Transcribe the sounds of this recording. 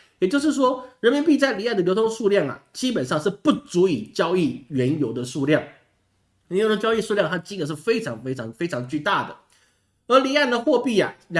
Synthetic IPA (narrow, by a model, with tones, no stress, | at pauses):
jɛ˨˩t͡ɕjo˥˧ʊʂɻ̩˥˩ʂ̬wɔ˥ɻə˧˥nmi˧˥npi˥˧t͡sa˥˩ɪli˨˥˩d̪ə˩ljo˧˥tʰo˧˥ŋʂu˥˧ljɑ˥˩ŋa̰˩t͡ɕi˥p̬ə˨˩nʂɑ˥˧ŋʂɻ̩˥˧pu˥˩t͡su˧˥i˨˩t͡ɕjɑ˥ʊi˥˩ɥɛ˧˥njo˧˥ʊd̪ə˨ʂu˥˧ljɑ˥˩ŋ | ɛ˧˥njo˧˥ʊd̪ə˧t͡ɕjɑ˥ʊi˥˧ʂu˥˧ljɑ˥˧ŋt̪ʰt͡ɕi˥d̪ə˨˩ʂ̬ɻ̩˥˩fe˥ɪʈ͡ʂʰɑ˧˥ŋfe˥ɪʈ͡ʂʰɑ˧˥ŋfe˥ɪʈ͡ʂʰɑ˧˥ŋt͡ɕy˥˧t̪a˥˩d̪ə̰˩ | ə˧˥li˨˥˦a˥˩ɪd̪ə˩xwɔ˥˧pi˥˩a̰˩˧